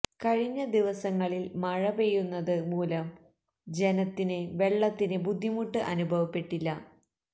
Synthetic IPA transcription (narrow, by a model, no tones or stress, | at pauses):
kɐɻiɲːɐd̪iʋɐsɐŋːɐɭilmɐɻɐbe̞junːɐðɨmuːlɐm | d͡ʑenɐt̪ːineʋe̞ɭːɐt̪ːinɨbud̪ʱːimuʈːɨʔɐnubʱɐʋɐpːe̞ʈːilːɐ